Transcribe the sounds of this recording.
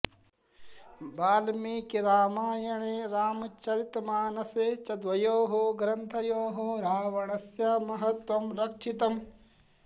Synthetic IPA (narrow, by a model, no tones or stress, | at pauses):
baːlmiːkiɾaːmaːjɐɳeːɾaːmɐt͡ʃɐɾit̪maːnɐseːt͡ʃɐd̪ʋɐjoːɦoɡɾɐnt̪ʰɐjoːɦoɾaːʋɐɳɐsjaːmɐɦɐt̪ʋɐmɾɐkʃʰit̪ɐm